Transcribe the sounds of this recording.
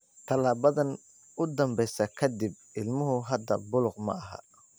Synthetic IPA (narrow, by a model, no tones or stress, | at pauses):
t̪ʰɐlaːβɐðɐn | ʊd̪ɐmbɛjsɐkʰɐd̪ɪb̚ | ɪlmʊɦʊɦɐd̪ɐbʊlʊqmɐ̰ɐɦɐ̰